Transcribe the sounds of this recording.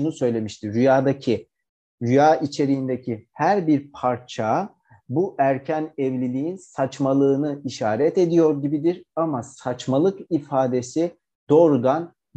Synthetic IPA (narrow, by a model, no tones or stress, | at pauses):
unusø̞jlʲe̞miʃt̪ʰiːyjaːd̪acʰi | ɾyjaːit͡ʃʰe̞ɾijind̪ecʰihæɾbiɾpʰaɾt͡ʃʰa | buʔæɾcʰænɛvlʲilʲijinsat͡ʃmalˠɯːnɯiʃaːɾɛt̪e̞d̪ijo̞ɾɟibid̪iɾamasat͡ʃmalˠɯkifaːd̪e̞si | d̪̥oɾɡan